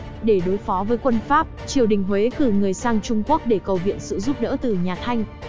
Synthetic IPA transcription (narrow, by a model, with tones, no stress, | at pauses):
ɗe˧˩ɗo˨˦jfɔ˨˦vəː˨˦jkwə˧nfaː˦˥p̚t͡ɕi˨˩əwɗï˨˩ŋ̟ɦwe˨˦kɨ˧˩ŋɨ˨˩əjsaː˧ŋt͡ɕʊ˧ŋ͡mku˦˥ək̚ɗe˧˩kə˨˩wvḭ˧˨ənsɨ̰˧˨zu˦˥p̚ɗə̰ː˧˥t̪ɨ˨˩ɲaː˨˩t̪ʰa˧jŋ̟